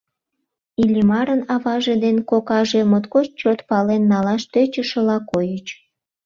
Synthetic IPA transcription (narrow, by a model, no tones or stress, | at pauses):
ilʲimɑɾənɑβɑʒed̪enkokɑʒemot̪kot͡ɕt͡ɕot̪pɑlenːɑlɑʃt̪øt͡ɕəʃə̆lɑkojət͡ɕ